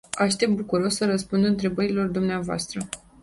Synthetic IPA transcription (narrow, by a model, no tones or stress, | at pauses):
aʃt̪e̞p̚t̪̚bukuɾo̞ssəɾəspund̪ɨnt̪ɾe̞bəɾilo̞rd̪umneavoa̰st̪ɾə